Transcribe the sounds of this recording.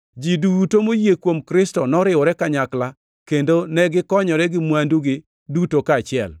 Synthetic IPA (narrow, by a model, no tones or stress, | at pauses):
d͡ʒidutomojekwomkɾɪstɔnɔɾɪɔɾɛkaɲakla | kendonɛɡɪkɔɲɔɾɛɡɪmwanduɡɪ | dutokaːt͡ʃɪɛ̰l